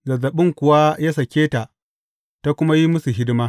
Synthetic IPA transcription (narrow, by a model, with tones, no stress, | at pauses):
zɐ˨zɐ˨ɓɪ˦ŋkʷʊ˨wa˦ja˦sɐ˨kʲeː˦ta˨ | ta˦kʷʊ˦ma˦ji˦mʊ˦su˨ɦɪ˦dɪ˦maː˦